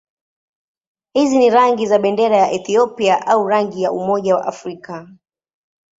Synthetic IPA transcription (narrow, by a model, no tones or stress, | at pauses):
hiziniɾaŋɡizaɓɛndɛɾajaʔɛθiɔpiaʔauɾaŋɡijaumɔʄawa̰ʔafɾika